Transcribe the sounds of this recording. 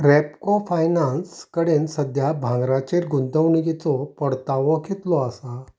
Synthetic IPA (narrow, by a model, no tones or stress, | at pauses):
ɾɛpkofajnanskəɽensəd̪ʱjabʱãŋɡɾat͡ɕeɾɡunt̪əwɳikit͡sɔpəɽt̪aʋɔket̪lɔasa